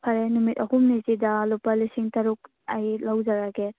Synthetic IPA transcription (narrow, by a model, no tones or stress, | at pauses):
pʰaɾenumitɐhumnizidalopalisiŋtɐɾuk̚ | ajlawzaɾaɡe